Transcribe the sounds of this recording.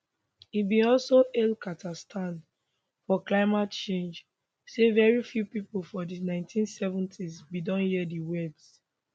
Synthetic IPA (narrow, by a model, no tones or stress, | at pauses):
ibĩɔlsoʔelkʰatʰastʰãn | fɔklaɪmatt͡ʃẽnd͡ʒ | sevɛɹifjupipl̩fɔdinãɪ̃ntʰĩnsɛvɔ̃ntʰisbidɔ̃njiɛdiwɛbs